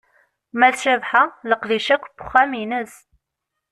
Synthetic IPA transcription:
mæðʃæðħaləqðiʃækʷːbʊ̥χːæminəz

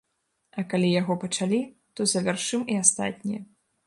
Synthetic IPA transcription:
ɐkalʲijaɣɔpɐt͡ʂalʲi | t̪ɔzɐvʲarʂɨmiast̪a̰t̪ʲnʲijɐ

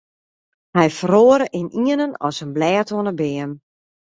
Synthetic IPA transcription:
hɛjfəroːəɾəʔɪniənənɔ̰sənblɛːtonəbɪən

